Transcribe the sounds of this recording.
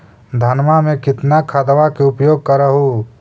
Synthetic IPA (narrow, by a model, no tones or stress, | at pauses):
d̪ʱɐnmamẽkɪt̪nakʰaːd̪ʋakeʊpjoːɡ̚kɐɾəɦu